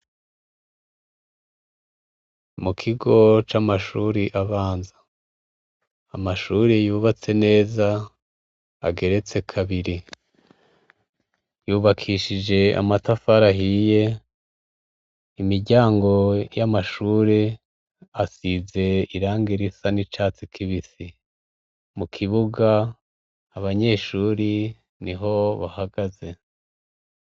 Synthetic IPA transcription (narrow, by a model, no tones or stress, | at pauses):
mukʰiɡo̞t͡ʃamaʃuːɾiʔaβaːnza | maʃuːɾejuːβat͡se̞ne̞ːza | ɡe̞ɾe̞t͡se̞kʰaβiɾi | juːβakʰiʃid͡ʒe̞a̰matafaɾaɦije̞ | imiɾɟaːŋɡo̞jamaʃuːɾe | asize̞iɾaːŋɡiɾisanit͡ʃaːt͡sikʰiβisi | mukʰiβuɡaː | βaɲe̞ːʃuːɾi | niɦo̞βahaɡaze̞